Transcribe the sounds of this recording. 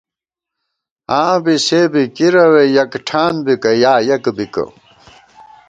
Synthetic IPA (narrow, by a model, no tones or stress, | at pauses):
ãːbiseːbikiɾɐwejɐkʈʰaːnbikɐjaːjɐkbikɐ̰